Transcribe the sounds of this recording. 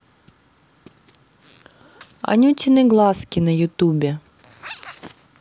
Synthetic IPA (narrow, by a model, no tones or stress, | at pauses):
ɐ̰nʲutʲinɪɡlˠɑskʲɪnɐjʊt̪ubʲɛ